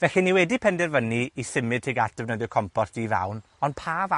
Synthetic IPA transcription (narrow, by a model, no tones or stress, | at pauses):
vɛɬɨniwɛdipʰɛndɛrvəniisɪmɨd̚tʰeɡat̚ʰdɛvnəðjɔkʰɔmpɔrtiva̰wn | ɔnpʰaːva